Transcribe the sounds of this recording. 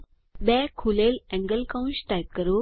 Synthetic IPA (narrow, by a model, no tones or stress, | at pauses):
bɛkʰulelɛ̃ŋɡəlkãw̃nɕʈajp̚kəɾo